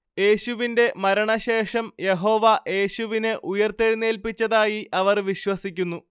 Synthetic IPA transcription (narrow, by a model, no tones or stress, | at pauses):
je̞ːɕuʋinde̞mɐɾɐɳɐɕe̞ːʂɐmje̞ɦo̞ːʋɐʔe̞ːɕuʋinɨʔujɐrt̪eɻinːeːlpit͡ɕːɐðaːjiʔɐʋɐrʋiɕwɐsikʲːunːu